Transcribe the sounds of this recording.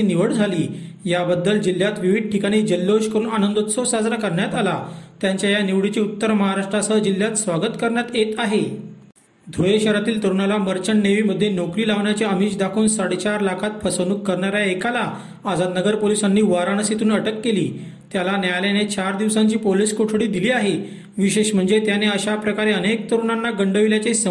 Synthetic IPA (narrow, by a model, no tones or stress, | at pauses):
iːniʋəɽd͡zʱaliː | jabəd̪ːəld͡ʑil̤jat̪ʋiʋid̪̚ʈʰikaɽ̃iːd͡ʑəlːoɕkəɾuːnanənd̪ot̪sɔsad͡zɾakəɾɳjat̪alat̪jaɲt͡ɕjajaniʋɽit͡ɕeut̪ːəɾməɦaɾaʂʈɾasəd͡ʑil̤ːjat̪sʋaɡət̪kəɾɳjat̪jet̪aɦe | d̪ʱojeɕəɾat̪iːlt̪əɾuɳalaməɾt͡ɕəɳːeʋiːməd̪ʱːjenokɾiːlaʋɳjat͡ɕeəmiːt͡ɕd̪akʰoːnsaɽet͡ɕaɾlakʰat̪̚pʰəsənukːəɾɳaɾjaekala | ad͡zad̪nəɡəɾpolisanːiːʋaɾaɳ̃əsit̪ʰuːnəʈəkːelḭː | t̪jalanjajljanet͡ɕaɾd̪iʋsaɲt͡ɕiːpoliskoʈʰɽiːd̪iliːaɦe | ʋiɕeɕm̤əɳd͡zet̪janeəɕapɾəkaɾeənek̚t̪əɾuɳanːaɡəɳɖəʋiljat͡sesə